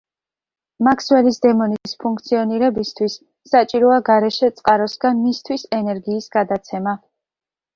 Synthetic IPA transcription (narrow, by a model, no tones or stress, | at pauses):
makʰswɛlisd̪ɛmɔniispʰuŋkʰt̪sʰiɔniɾɛbist̪ʰwisː | at͡ʃʼiɾɔaɡaɾɛʃɛt̪sʼqʼaɾɔsɡanmist̪ʰwisɛnɛɾɡiːsɡad̪at̪sʰɛma